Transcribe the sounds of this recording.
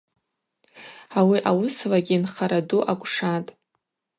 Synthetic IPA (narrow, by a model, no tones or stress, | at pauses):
awiʔawʊslaɡʲinχaɾaduʔakʷʼʂatʼ